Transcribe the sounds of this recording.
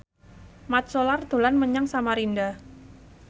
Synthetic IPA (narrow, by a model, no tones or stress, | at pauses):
mat̪̚solart̪o̤lanməɲaŋsamaɾinda